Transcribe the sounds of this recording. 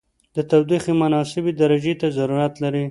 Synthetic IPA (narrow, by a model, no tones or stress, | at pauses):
d̪ət̪awd̪iximanɑsɪbed̪aɾad͡ʒet̪azaɾuɾat̪laɾi